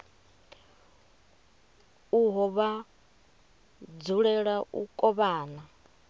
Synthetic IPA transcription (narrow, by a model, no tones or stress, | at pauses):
uɦɔβa | d͡zuɺɛɺaʔṵkʼɔβaːna